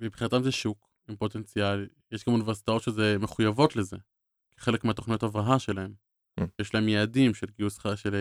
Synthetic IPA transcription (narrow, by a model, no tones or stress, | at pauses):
mibχinat̪amzeʃuk | impo̞t̪e̞nt͡sial | jeʃɡamunivesi̥t̪ao̞t̪ʃezeme̞χujavo̞t̪le̞ze̞ | ke̥χe̞lekmeat̪o̞χnijot̪avʁaɦaʃe̞lae̞m | jeʃlaemjeːdimʃelɡiusχaʃel